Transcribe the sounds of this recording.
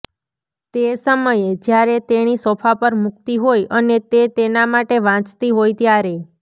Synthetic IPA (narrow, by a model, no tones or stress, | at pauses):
t̪esəməjed͡ʒjaɾet̪enisɔpʰapəɾmʊk̚t̪iɦojʔənet̪et̪enamaʈeʋãt͡ʃt̪iɦojt̪jaɾe